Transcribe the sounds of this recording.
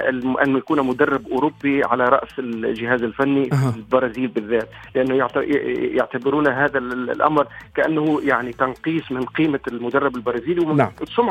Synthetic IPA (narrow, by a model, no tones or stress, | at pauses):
ɪ̰lʔa̰nːjakuːnmʊd̪ɑrˤːɪbʔʊːɾʊbːiʕalaɾˤɑ̰ʔsɪlʒɪɦaːzɪlfanːilbɑɾˤɑːziːlbɪðːaːt̪ | lɪʔanːʊjaʕjaʕt̪abɪɾuːnaɦaːðaʔa̰mɾkaʔa̰nːahʊjaʕnit̪ɑnqiːsˤmɪnqiːmalmʊd̪ɑrˤːɑbɪlbɑɾˤɑːziːliwsˤʊmʕ